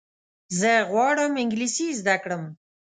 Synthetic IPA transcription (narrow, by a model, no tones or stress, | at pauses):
zəɣwɑɽəmɪŋɡlisizd̪akɽəm